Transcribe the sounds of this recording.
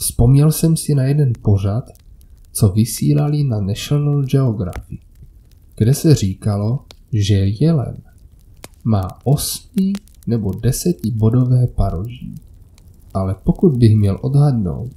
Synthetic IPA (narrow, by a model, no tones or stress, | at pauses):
spo̞mɲɛlsɛmsɪnajɛdɛnpo̞r̝at̪ | t͡so̞vɪsiːlalɪnanɛʃonld͡ʒɛoɡɾa̰fɪ | ɡ̥dɛsɛr̝iːkalo̞ | ʒɛjɛlɛ̰n | maːʔo̞smɪ | nɛbo̞dɛsɛcɪbo̞do̞vɛːpaɾoʒḭː | ʔalɛpo̞kud̪̚bɪɣmɲɛlʔo̞dɦadno̞̰wt̪